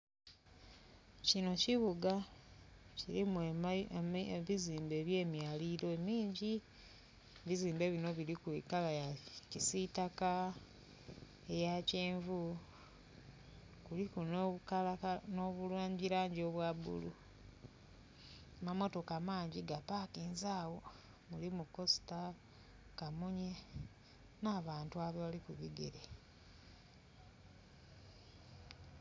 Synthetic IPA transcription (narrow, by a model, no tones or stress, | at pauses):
cino̞ciβuɡa | ciɾimue | βiziːmbe̞ːβje̞ːmjaːliɾo̞emiːɲɟi | βiziːmbe̞βino̞βilikuikalajacisitaka | e̞jaceːɱvu | kulikunoβukalakanoβulwaːɲɟiɾaːɲɟoβwabṵlṵ | amamo̞to̞kamaːɲɟiɡapakiːnzaːwo̞ | mulimuko̞si̥ta | kamuɲe | naβaːntuaβaβalikuβiɡeɾe